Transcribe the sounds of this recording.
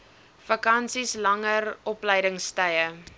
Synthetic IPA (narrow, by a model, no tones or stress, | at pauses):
fɐkɐnsislɐŋərɔpləjdəŋstəjə